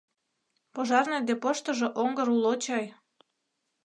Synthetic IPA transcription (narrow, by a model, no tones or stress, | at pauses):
poʒɑrned̪epoʃt̪ɤ̆ʒeʔoŋɡɤɾulot͡ɕɑj